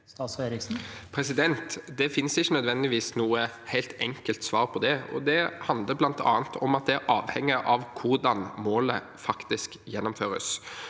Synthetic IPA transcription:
sɑːsɾɪsnpʰɾɛsɪd̪ɛnt̪d̪ɛfɪnsɪçːənœd̪ʋɛnd̪ɪʋiːsnuːəhæɪlt̪ɛŋkəlt̪sʋɑːʁpʰɔd̪ɛɔ̰d̪ɛhɑnd̪ləblɑnt̪ʰɑ̰ːnt̪ʰɔmɑt̪̚d̪ɛæɾʔɑːʋhɛŋːəʔɑʋkʰʊʁd̪ɑnmoːlə̰ | fɑkt̪ɪskjɛnːɔmføːɾə̰s

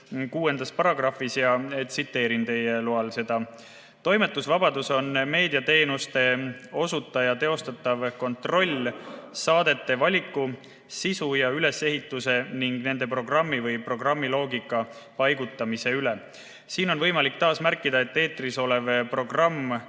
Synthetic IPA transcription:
kuːe̞nd̪̥ɑspɑɾɑɡrɑfisjɑet̪sit̪ːe̞ːɾint̪e̞jeluɑlse̞d̪̥ɑ | t̪o̞jmet̪ːˑusvɑbɑd̪uso̞nme̞ːd̪iɑt̪e̞ːnust̪e̞o̞sut̪ːˑɑjɑt̪e̞o̞st̪ɑt̪ːˑɑvko̞nt̪ro̞lʲsɑːd̪̥e̞t̪ːe̞vɑlʲikːˑu | sisujɑyle̞se̞ɦit̪ːˑuse̞niŋɡ̥ne̞nd̪̥e̞pro̞ɡ̥rɑmːivɤjpro̞ɡ̥rɑmːilo̞ːɡikːˑɑ | pɑjɡ̥ut̪ːˑɑmise̞yle | siːno̞nvɤ̞jmɑlikt̪ɑːsmærkːˑid̪ɑe̞t̪ːe̞ːt̪ːriso̞le̞vpro̞ɡ̥rɑmː

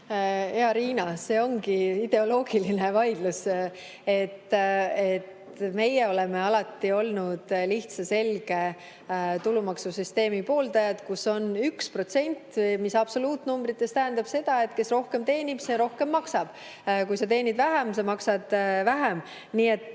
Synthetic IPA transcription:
eɑɾiːnɑse̞ːo̞ŋɡiid̪̥e̞o̞lo̞ːɡ̥iline̞vɑjd̪̥lus | e̞t̪ːet̪ | me̞jeo̞leme̞ɑlɑt̪ːio̞lnud̪̥liht̪sɑse̞lɡe̞ | t̪ulumɑksusyst̪e̞ːmipo̞ːld̪ɑjɑd̪̥kuso̞nykspro̞t̪se̞nʲt̪ːmisɑb̥so̞luːt̪numbrit̪ːˑe̞st̪æɦænd̪̥ɑb̥se̞d̪̥ɑe̞t̪ke̞sro̞hke̞mt̪e̞ːnʲib̥seɾo̞hke̞mːɑksɑb̥ | kujsɑt̪̬e̞ːnʲid̪væɦems̬ɑmɑksɑd̪̥væɦem | niːe̞t̪ːˑ

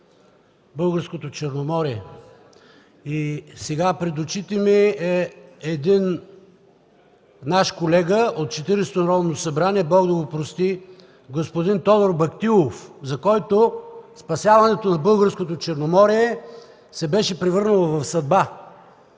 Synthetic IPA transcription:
bɤlˠɡəɾskot̪ot͡ʃɛɾnomɔɾiɛ | isɛɡapɾɛd̪ot͡ʃit̪imɛɛɛd̪in | naʃkolɛɡəot̪̚t͡ʃɛt̪iɾɛst̪onɾɔvnosɐbɾaniɛbɔɡd̪ɐɡopɾost̪i | ɡospod̪int̪ɔd̪oɾbɐkt̪ilˠofzɐkɔjt̪ospɐsjavɐnɛt̪onɐbɤlˠɡəɾskot̪ot͡ʃɛɾnomɔɾiɛ | sɛbɛʃɛpɾɛvɤɾnɐlˠovɐfsɐd̪̚ba

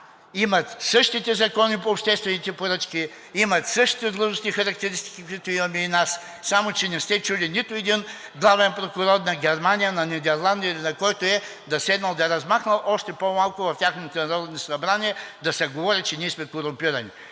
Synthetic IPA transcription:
imɐt̪sɤʃt̪it̪ɛzɐkɔnipoːpʃt̪ɛst̪vɛnit̪ɛpoɾət͡ʃki | imɐt̪sɤʃt̪i̥t̪ɛd̪lˠəʒʊsnixɐɾɐkt̪ɛɾist̪i̥kʲikʊit̪ʊimɐmɛinas | samot͡ʃɛnɛst̪ɛt͡ʃulinit̪ʊɛd̪in | ɡlˠavɛnpɾokʊɾɔd̪̚nɐɡʲɛɾmanʲijɐnɐnid̪ɛɾlˠand̪iəilʲinɐkɔjt̪ʊɛ | d̪ɐsɛd̪nɐlˠd̪ɐɛɾɐzmaxnɐlˠʔɔʃt̪ɛpomalˠkʊvɐft̪ʲjaxnot̪onɐɾɔd̪nosɐbɾanʲiɛd̪ɐsɛɡovɔɾit͡ʃɛniɛsmɛkoɾʊmpiɾɐni

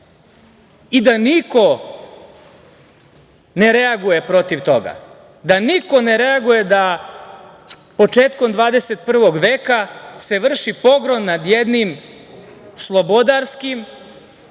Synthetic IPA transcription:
id̪aniko̞ | ne̞ɾeaɡuje̞pɾo̞t̪iʋt̪o̞̰ɡa̰ | d̪aniko̞ne̞ɾeaɡuje̞d̪a | po̞t͡ʂe̞ːt̪ko̞md̪ʋaːd̪e̞set̪̚pr̩ʋo̞ɡʋe̞ːkase̞ʋr̩ʃipo̞ɡɾo̞nːad̪jed̪nim | slˠo̞bod̪aɾskim

